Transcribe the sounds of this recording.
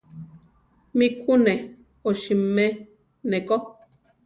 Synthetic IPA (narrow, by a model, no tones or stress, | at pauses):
mĩkʰunɛ̃ | oʃimɛ̃ | nɛ̃ko